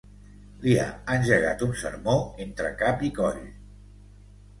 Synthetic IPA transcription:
lia̰ənʲʒəɣa̰t̪unsə̰ɾmoent̪ɾəkapikɔʎ

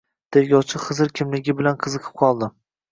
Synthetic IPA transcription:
d̪̥ʰelɡʲɒwt͡ʃʰɪχɨzɨɾkʲʰɪmlɪɡʲɪbɪlanqʰɨzɨqʰɨ̥p̚qʰɒlˠd̪ɪ

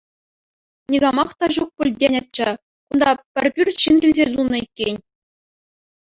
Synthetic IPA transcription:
nʲiɡɑmɑχt̪ɑʑuk̚pʲɘ̆lʲdʲenʲɑt̚t͡ɕːɑ | kund̪ɑpʲɘ̆rʲpʲyrʲɕinɡʲilʲzʲet̪unːɤ̆ikʲːenʲ

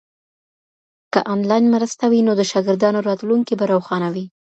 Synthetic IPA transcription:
kəʔanlɑjnmɾəst̪awinod̪əʃɑɡɪɾd̪ɑnoɾɑt̪luŋkibaɾawxɑnawi

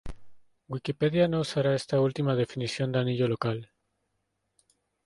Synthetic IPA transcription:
ɡwikipe̞ðjanousaɾae̞st̪ault̪imað̞e̞finisjo̞nd̪aniʎo̞lo̞kal

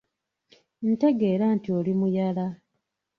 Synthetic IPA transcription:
n̩te̞ɡe̞ːɾaːntiolimujala

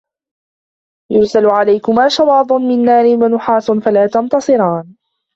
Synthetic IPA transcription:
jʊɾsalʕalajkʊmaːʃɑwɑːd̪ˤʊnmɪnːaːɾɪwanʊħɑːsnfalaːt̪ɑnt̪ɑsˤɨɾɑːn

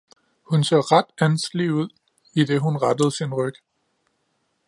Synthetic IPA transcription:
hunsɒ̰ːʁɑd̥ænsɡ̥liuð̰ˠ | id̥e̝ɦunʁɑd̥əð̞̩ˠsinʁœɡ̥ə

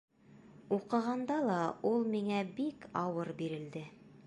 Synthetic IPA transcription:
uqɤ̆ʁɑnd̪ɑlˠɑulˠmiŋæbikɑwɤɾbiɾɘ̆ld̪ɘ

